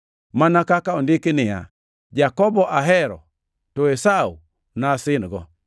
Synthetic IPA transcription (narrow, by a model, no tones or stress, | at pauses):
manakakaondɪkɪnɪja̰ | d͡ʒakɔbɔʔaɦɛɾɔ̰ | tɔesau | nasɪnɡɔ